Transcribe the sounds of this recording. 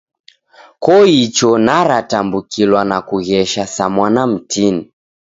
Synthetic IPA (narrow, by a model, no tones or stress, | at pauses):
kɔit͡ʃɔnaɾatambukʰilwanakuɣɛʃasamwanam̩tʰini